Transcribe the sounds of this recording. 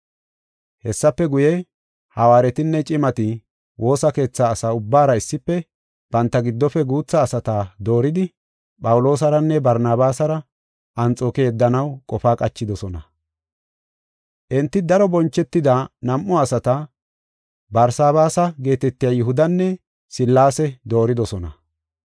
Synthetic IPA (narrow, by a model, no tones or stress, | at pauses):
hɛsːɐpːɛɡʊjɛ | hɐwaːɾɛt̪ɪnːɛt͡ʃʼɪmɐt̪ɪ | wʔo̞ːsɐke̞ːt͡sːaːsaːʊbːaːɾɐɪsːɪpːɛ | b̥ɐnt̪ːɐɡɪd̪ːɔfɛɡuːt͡sːɐːsɐt̪aːd̪o̞ːɾɪd̪ɪ | pʼɐwʊlo̞ːs̬ɐɾɐnːɛbɐɾnaːbaːsɐɾɐ | ʔɐnt͡sʼo̞ːkɛjɛd̪ːɐnɐwkʼɔfaːkʼɐt͡ʃːɪd̪ɔsɔnɐ | ʔɛnt̪ːɪd̪ɐɾɔbɔnt͡ʃːɛt̪ːɪd̪ɐnɐmʔːɔɐsɐt̪ɐ | bɐɾsaːβaːsɐɡe̞ːt̪ɛt̪ːɪjɐjʊɦʊd̪ɐnːɛ | sɪlːaːsɛd̪o̞ːɾɪd̪ɔsɔnɐ̰